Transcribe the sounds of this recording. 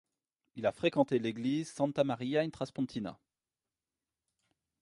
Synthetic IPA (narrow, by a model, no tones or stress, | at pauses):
ilafχekɑ̃t̪eleɡlizsɑ̃nt̪amaʁijaɛnt̪χaspɔ̃t̪ʰina̰